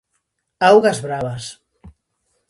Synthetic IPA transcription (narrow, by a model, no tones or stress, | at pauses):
awɣazβɾaβas